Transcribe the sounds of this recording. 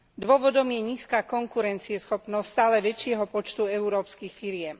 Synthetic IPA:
d̪ʊɔʋɔd̪ɔmjɛɲiːskaːkɔŋkuɾɛnt͡siɛsxɔpnɔsst̪aːlɛʋɛt͡ʃɪɛɦɔpɔt͡ʃt̪uɛuɾɔːpskiːxfiɾɪɛm

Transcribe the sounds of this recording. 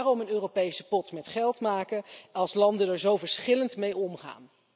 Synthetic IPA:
arɔmənøːrowpejsəpɔtmɛtχɛlˠtmaːkəɑlˠslɑndənɛɹzowvəɹsχɪləntmejɔmχa̰ːn

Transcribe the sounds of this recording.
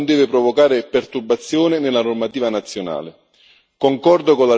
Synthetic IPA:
nd̪ɛːvɪpɾɔvokaːɾɪpɛrt̪urbat̪sːjɔːnɪnɪlːanɔrmat̪iːvanat̪sːjona̰ːlɪ | koŋkɔrd̪okola

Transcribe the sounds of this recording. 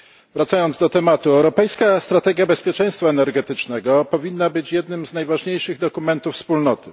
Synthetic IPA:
vɾat̪sajɔndzd̪ɔt̪ɛmat̪uɛwɾɔpɛjskast̪ɾat̪ɛɡʲjabɛspʲjɛt͡ʂɛ̃j̃st̪faɛnɛɾɡɛt̪ɘt͡ʂnɛɡɔpɔvʲinːabɘt͡ɕjɛd̪̚nɘmznajvaʐɲejʂɘɣd̪ɔkumɛnt̪ufːspulnɔt̪ɘ

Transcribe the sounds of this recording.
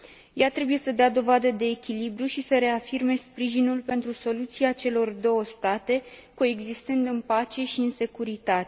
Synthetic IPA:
jat̪ɾe̞buje̞səd̪ead̪o̞vad̪əd̪e̞ːkʲilibɾuʃisəɾe̞afirme̞spɾiʒinulpe̞nt̪ɾuso̞lut̪siat͡ʃe̞lo̞rd̪o̞wəst̪at̪e̞koe̞ɡzist̪ɨnd̪ɨnpat͡ʃe̞ʃiɨnse̞kuɾit̪at̪e

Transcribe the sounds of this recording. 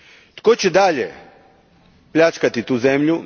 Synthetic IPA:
t̪koːt͡ɕɛd̪aːʎḛ | plʲʎat͡ʃkat̪it̪uːzemʎu

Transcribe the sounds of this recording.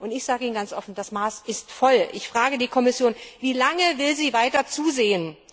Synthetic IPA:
ʔʊntɪçz̥aːɡəiːnɡant͡sʔɔfn̩dasmaːsɪstfɔlʔɪçfʁ̥aːɡədiːkʰɔmɪsjoːnviːlaŋəvɪlziːvaɪtɐt͡suːzeːən

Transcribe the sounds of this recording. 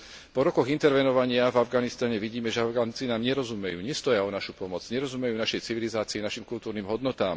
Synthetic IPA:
pɔɾɔkɔɣint̪ɛɾʋɛnɔʋaɲɪavavɡanist̪aɲɛʋiɟiːmɛʒɛavɡant͡sinaːmɲɛɾɔzumɛjṵːɲɛst̪ɔjaɔnaʃupɔmɔd͡zɲɛɾɔzumɛjuːnaʃɛjt͡siʋilizaːt͡siinaʃimkult̪uːɾniːmɦɔd̪nɔt̪aːm

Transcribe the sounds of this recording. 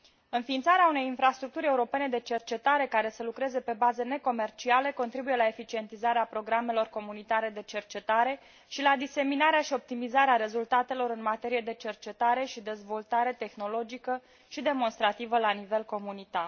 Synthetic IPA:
ɨnfiːnt̪saɾeaune̞jinfɾast̪ɾuk̚t̪uɾʲe̞uɾo̞pe̞ne̞d̪e̞t͡ʃe̞rt͡ʃe̞t̪aɾe̞kaɾe̞səlukɾe̞ze̞pe̞bazəne̞ko̞me̞rt͡ʃiale̞ko̞nt̪ɾibuje̞lae̞fit͡ʃie̞nt̪izaɾeapɾo̞ɡɾamelo̞rko̞munit̪aɾe̞d̪e̞t͡ʃe̞rt͡ʃe̞t̪aɾe̞ | ʃilad̪ise̞minaɾeaʃio̞p̚t̪imizaɾeaɾe̞zult̪at̪e̞lo̞ɾɨnmat̪e̞ɾije̞d̪e̞t͡ʃe̞rt͡ʃe̞t̪aɾe̞ʃid̪e̞zvo̞lt̪aɾe̞t̪e̞xno̞lo̞d͡ʒikə | ʃid̪e̞mo̞nst̪ɾat̪ivəlanive̞lko̞munit̪ar

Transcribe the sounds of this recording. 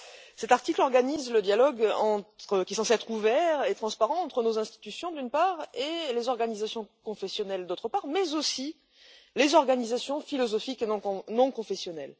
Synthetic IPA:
sɛt̪aʁt̪iklɔʁɡanizləd̪jalɔɡɑ̃t̪χəkʲisɑ̃sɛt̪χuvɛʁet̪χɑ̃spaʁɑ̃ːt̪χənozɛ̃st̪i̥t̪ysjɔ̃d̪ynpaʁelezɔʁɡanizasjɔ̃kɔ̃fɛsjɔnɛld̪ot̪χəpaʁmɛzosi | lezɔʁɡanizasjɔ̃filɔzɔfikenɔ̃nɔ̃kɔ̃fɛsjɔnɛl

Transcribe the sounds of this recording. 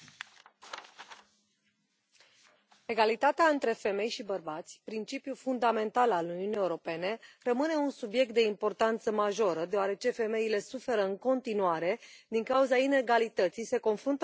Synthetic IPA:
e̞ɡalit̪at̪eaɨnt̪ɾe̞fe̞me̞jʃibərbat̪sʲpɾint͡ʃipjulfund̪ame̞nt̪alaluniunije̞uɾo̞pe̞ne̞rəmɨne̞unsubje̞k̚t̪̚d̪e̞impo̞rt̪ant̪səmaʒo̞ɾəd̪eoaɾe̞t͡ʃe̞fe̞me̞ile̞sufe̞ɾəɨŋko̞nt̪inuaɾe̞d̪iŋkauzaine̞ɡalit̪ət̪sise̞ko̞nfɾunt̪ə

